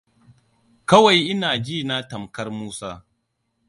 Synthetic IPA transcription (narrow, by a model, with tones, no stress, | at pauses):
kɐ˦wa˨jʔɪ˦naː˨d͡ʒiː˦˨na˦tɐ˨mkɐ˦rmuː˦saː˦